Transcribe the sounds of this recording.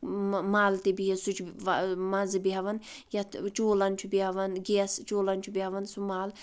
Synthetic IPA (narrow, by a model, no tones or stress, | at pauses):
maːlt̪ebijɐsut͡ʃʰmɐzɨbiɦɐʋɐn | jɐt̪t͡ʃoːlɐnt͡ʃʰubiɦɐʋɐnɡeɐst͡ʃoːlɐnt͡ʃʰubiɦɐʋɐnsumaːl